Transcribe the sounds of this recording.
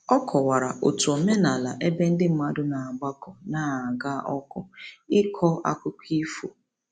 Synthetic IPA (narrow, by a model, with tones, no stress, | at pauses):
ɔ˦kʰɔ˨wa˨ɾa˨ʔo̰˨tu˨o˨me˦na˨la˨ʔe˦be˦n̩˦dɪ˦m̩˦ma˦dʊ˦na˨a˨ɡ͡ba˦kɔ˨naː˦a˨ɡa˦ʔɔ˦kɔ˨ɪ˦kʰɔ˦ʔa̰˦kʷʊ˦kʷi˦fo̰˨